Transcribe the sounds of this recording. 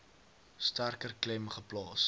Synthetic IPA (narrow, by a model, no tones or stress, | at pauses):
stærkərklɛmχəplɑːs